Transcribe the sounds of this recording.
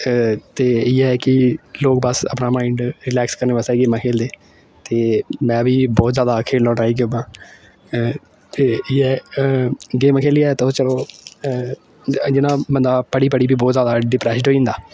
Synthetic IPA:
t̪eːɪːɛkɪloːkbəsə̰pnaːmaːɪɳɖɾɪlɛːkskəɾneːbəsaiːɡeːmãːkʰeːld̪eː | t̪eːmɛ̃ːbiːbɔːt̪zjaːd̪aːkʰeːlːɔ̃ːʈaːiːk̬joːbãː | t̪eːɪɛː | ɡeːmaːkʰeːliaːt̪ot͡ʃəloː | d͡ʒɪnãːbənd̪aːpəɽiːpəɽiːbiːbɔːt̪zjaːd̪aːɖɪpɾɛːsɖɦoːĩːnd̪aː

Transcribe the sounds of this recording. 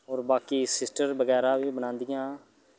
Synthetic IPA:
ɔːɾbaːkiːsɪsʈəɾbəɡɛːɾaːʋiːbənãːnd̪ɪjãː

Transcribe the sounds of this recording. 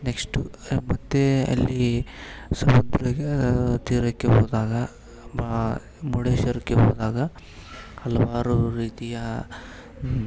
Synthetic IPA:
neksʈumɐt̪ːeɐ̰lːi | sɐmɐd̪ɾɐt̪iːɾɐkːeboːd̪aːɡɐ | baː | muɽeːʃɐɾɐkːeboːd̪aːɡɐ | hɐlɐʋaːɾuɾiːt̪ijɐ

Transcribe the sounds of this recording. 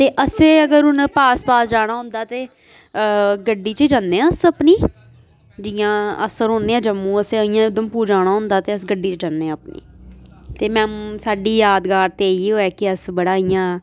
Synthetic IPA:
t̪eːʔəseːəɡəɾʊnpaːspaːsd͡ʒaːɽ̃aːɦʊ̃nd̪aːt̪eː | ɡəɖːiːt͡ʃəd͡ʒanːẽːəsəpniː | d͡ʒɪijãːə̰səɾɦoːnːeːãːd͡ʒəmːũːəseəijãːʊd̪əmpuːd͡ʒaːɽ̃aːɦʊ̃nd̪aːt̪eːəsɡəɖːiːt͡ʃəd͡ʒanːẽãːəpnḭːt̪eːmɛ̃ːsaːɖiːjaːd̪ɡaːɾt̪eːiːɦoːɛːkɪəsbəɽaːijãː

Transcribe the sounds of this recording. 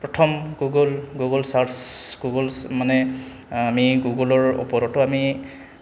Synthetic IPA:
pɹɔtʰɔmɡuɡɔlɡuɡɔlsaɹtsɡ̥uɡɔlsmanɛ | amiɡuɡɔlɔɹɔ̰pɔɾɔtʊami

